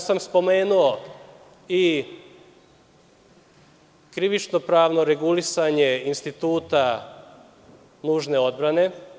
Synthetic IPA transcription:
samspo̞meːnuo | i | kɾiʋit͡ʃno̞pɾaːʋno̞ɾeɡulisaɲe̞inst̪it̪uːt̪a | nuːʒne̞o̞d̪̚bɾane̞

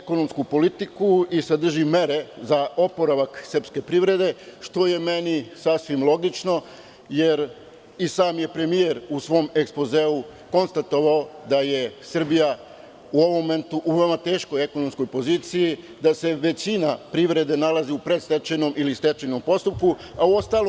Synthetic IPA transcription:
eko̞no̞mskupo̞lit̪ikuisad̪r̩ʒime̞ɾe̞zaʔo̞po̞ɾaʋaksər̩pske̞pɾiʋɾe̞d̪e̞ʃt̪o̞je̞me̞nisasʋimlˠo̞ɡit͡ʃno̞ | je̞ɾ | isaːmje̞pɾe̞mijeɾusʋo̞me̞kspo̞zeuko̞nst̪at̪o̞ʋaod̪ajesr̩bija | uo̞ʋomːoment̪uʔuʋe̞omat̪e̞ːʃko̞jekonomsko̞jpo̞ziːt̪siji | d̪ase̞ʋe̞t͡ɕinapɾiʋɾe̞d̪e̞nalˠaziupɾest̪et͡ʃenomʔilist̪et͡ʃeno̞mpo̞st̪up̚ku | auo̞st̪aːlo

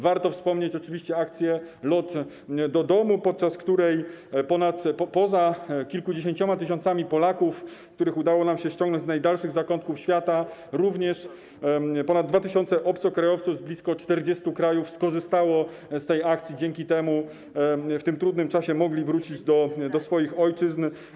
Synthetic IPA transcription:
vaɾt̪ɔfspɔmɲet͡ɕɔt͡ʂɘvʲiɕt͡ɕɛak̚t̪sʲjɛlɔt̪ | d̪ɔd̪ɔmupɔt̪̚t͡ʂaskt̪uɾɛjpɔnat̪pɔzakʲilkud͡ʑeɕ̬eɲt͡ɕɔmat̪ɘɕ̬ɔnt̪samʲipɔlakufkt̪uɾɘxud̪awɔnamɕɛɕt͡ɕɔŋɡnɔ̃ɲd͡ʑ̪znajd̪alʂɘɣzakɔnt̪kufɕfʲjat̪aɾuvɲɛʂ | pɔnad̪dːvat̪ɘɕɔnt̪sɛʔɔpt̪sɔkɾajɔft̪suvzblʲiskɔt͡ʂt̪ɛɾd͡ʑɛst̪ukɾajufskɔʐɘst̪awɔ | st̪ɛjak̚t̪sʲjid͡ʑɛŋkʲit̪ɛmu | ft̪ɘmt̪ɾud̪nɘmt͡ʂaɕɛmɔɡlʲivɾut͡ɕid͡ʑd̪ɔd̪ɔsfɔjixɔjt͡ʂɘzn

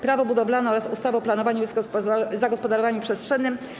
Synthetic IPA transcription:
pɾavɔbud̪ɔblanɛɔɾasust̪avɛɔplanɔvaɲuszaɡɔspɔd̪aɾɔvaɲupʂɛstʂɛnːɘm

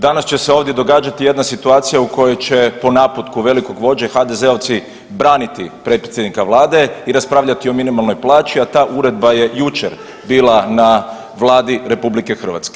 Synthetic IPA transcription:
d̪anast͡ʃe̞seo̞ːʋd̪je̞d̪o̞ɡaːd͡ʒat̪ije̞d̪nasit̪uaːt̪sijauko̞jo̞jt͡ɕe̞po̞napot̪kuʋe̞liko̞ɡʋo̞d͡ʑexad̪e̞ze̞ot̪si | bɾaːnit̪ipɾe̞t̪pɾ̥t̪ʲjed̪nikaʋlˠaːd̪e̞iɾaspɾaːʋʎat̪io̞minimalˠno̞jplˠaːt͡ʃiat̪aːʔuɾe̞d̪̚baje̞jut͡ʃḛɾ | biːlˠana | ʋlˠaːd̪iɾe̞publike̞xr̩ʋa̰t̪ske̥

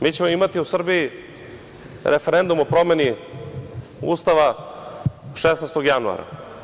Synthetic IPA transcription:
miːt͡ɕemoimat̪iusr̩biji | ɾʔefeɾend̪umo̞pɾo̞me̞ni | ṵːst̪aʋa | ʃesnest̪oɡjanua̰ɾa̰

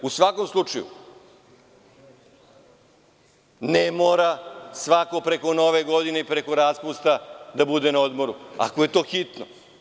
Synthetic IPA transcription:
usʋako̞mslˠut͡ʃajṵ | nemoːɾasʋako̞pɾe̞ko̞no̞ʋe̞ɡo̞d̪ine̞ipɾe̞ko̞ɾaspust̪ad̪abud̪e̞naod̪mo̞ɾua̰koje̞t̪o̞ːxit̪no̰

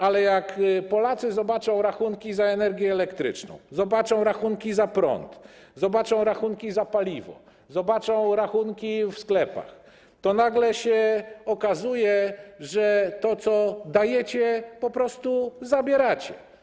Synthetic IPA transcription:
alɛjakpɔlat̪sɘzɔbat͡ʂɔ̃w̃ɾaxuŋkʲizaɛnɛɾɡʲjɛːlɛkt̪ɾɘ̰t͡ʂnɔ̰̃w̃zɔbat͡ʂɔ̃w̃ɾaxuŋkʲizapɾɔ̰nt̪zɔbat͡ʂɔ̃w̃ɾaxuŋkʲizapalʲivɔ̰ | zɔbat͡ʂɔ̃w̃ɾaxunkʲifsklɛpa̰x | t̪ɔnaɡlɛɕɛɔkazujɛʐɛt̪ɔt̪sɔd̪ajɛt͡ɕɛpɔpɾɔst̪uzabʲjɛɾat͡ɕɛ

